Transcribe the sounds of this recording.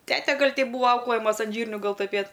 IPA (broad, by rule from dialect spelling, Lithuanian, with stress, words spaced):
ˈtʲæːtʲɛ ˈɡɐlʲ tʲɛɪp ˈbuːʋɐ ˈɐʊklˠɘjɛmɐs ɐn ˈʒʲiːrʲnʲʊ ˈɡɐlˠ tʊˈpʲeːtʲ